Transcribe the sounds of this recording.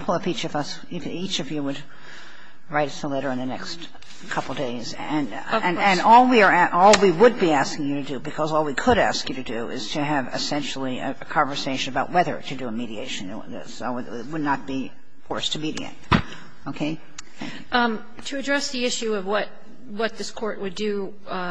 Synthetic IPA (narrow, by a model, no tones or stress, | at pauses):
pʰl̩ˠʌvit͡ʃʌvʌs | ɪfit͡ʃʌvjɨwɨd̚ | ɹaɪɾɨsðəlɛɾə˞ɨ̃nðɨnɛ̰kst | kʰʌpl̩ˠdeɪz | ɨ̃ñ | nɨ̃nnɔlˠwiə˞æʔɔlˠwiwəd̚biæskɪ̃ŋjɨɾɨdɨbɨkʰʌzɔlˠwikʰəɾæ̰skjɨɾɨdɨɪ̰z̥tʰɨːvɨ̰sɛ̃nʃl̩ˠiɨ̰ɨkʰɑ̃ɱvə˞seɪʃɨ̃nɨbaʊt̚wɛðə̰˞ɾɨdɨəmiɾiḛɪʃɨ̃n̩̰ | o | wɨdⁿnət̚b̥i | fɔɹstʰɨmiɾḭḛɪt̚ | oʊkʰeɪ | θæ̰̃ŋk | tʰɨɨdɹɛsðiɪʃʉʌvwʌt̚ | wʌt̪̚ðɪskʰɔɹʔ̚wɨdɨ